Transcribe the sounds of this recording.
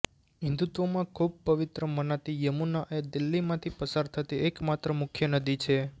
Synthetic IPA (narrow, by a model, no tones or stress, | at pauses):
ɦɪ̃nd̪ut̪ʋomãkʰub̚pəʋɪt̪ɾəmənat̪ijəmunaʔed̪ilːimãt̪ʰipəsaɾt̪ʰət̪iʔekmat̪ɾəmʊkʰjənəd̪it͡ʃʰe